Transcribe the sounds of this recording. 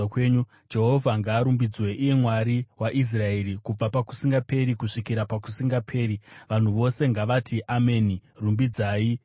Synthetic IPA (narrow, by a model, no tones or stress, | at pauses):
kweɲu | d͡ʒe̞ɦo̞vʱaŋɡaːɾumbid͡zwe̞ʔije̞mwaɾiwaʔis̬rae̞ːɾikub͡vapaku̥siŋɡape̞ɾikuʂikiɾapaku̥siŋɡapʰe̞ːɾiʋan̤uʋo̞se̞ŋɡaʋatʰiʔamenirumbid͡zaːi